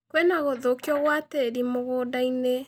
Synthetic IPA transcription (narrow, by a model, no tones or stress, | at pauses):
kwɛnaɣoðokjɔɣwateɾimoɣoːdaine